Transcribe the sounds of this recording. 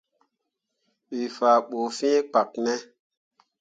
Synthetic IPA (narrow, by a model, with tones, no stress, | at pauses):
ɓi˨faː˨ɓo˨fĩ˦e˦k͡pa˨k̚nɛ˦